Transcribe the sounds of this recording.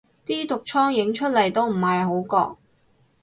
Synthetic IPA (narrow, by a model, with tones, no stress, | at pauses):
t̪iː˥t̪ʊ˨k̚t͡ʃʰɔː˥ŋjɪ˨˥ŋt͡ʃʰɵ˥t̚lɐ˨˩jt̪o˥wm̩˨˩ɦɐ˨jɦo˨˥wkɔ̰ː˧k̚